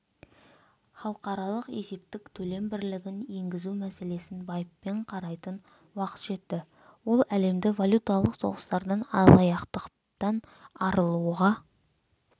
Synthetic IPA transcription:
χɑlˠqɑɾɑlˠəqe̞se̞p̚t̪ɪkt̪ʰɵle̞mbɪɾlɪɡʲɪne̞ŋɡʲɪzumæse̞le̞sɪnbɑjəpːe̞ɴqʰɑɾɑjt̪ən | wɑqə̥t̪ʒ̥e̞t̪ːɪ | wo̞lˠæle̞md̪ɪvalʲut̪alˠəqso̞̰ʁəst̪ɑɾd̪ɑnɑ̰lˠɑjɑqt̪əq | t̪ɑn | ɑɾəlˠuʁɑ

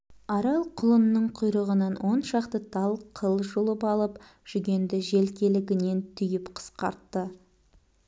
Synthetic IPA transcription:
ɑɾɑlˠqʰʊlˠənːəɴqʰʊjɾəʁənɑnwʔo̞nʃɑqt̪ət̪ʰɑlˠqʰəlˠʒolˠəpɑlˠəp | ʒ̥ʏɡʲe̞nd̪ɪʒe̞lkʲe̞lɪɡʲɪne̞nt̪ʰʏjɪpqʰə̥sqɑɾt̪ːə

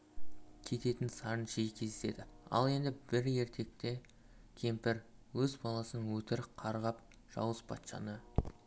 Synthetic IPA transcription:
kʲʰe̞t̪e̞t̪ɪnsɑɾənʒejkʲʰe̞ze̥se̞d̪ɪɑ̰lˠe̞nd̪ɪbɪɾje̞ɾt̪ʰe̞k̚t̪e̞ | kʲʰe̞mpɪɾwɵzbɑlˠɑsənəŋwɵt̪ɪɾqʰɑɾʁɑp | ʒ̥ɑ̰wəspʰɑ̰t̪ʃɑ̰nə

